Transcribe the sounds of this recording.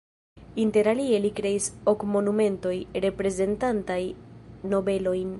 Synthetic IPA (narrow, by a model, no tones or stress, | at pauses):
inte̞ɾalie̞likɾe̞isokmo̞nume̞nto̞jɾe̞pɾe̞ze̞ntantajno̞be̞lo̞jn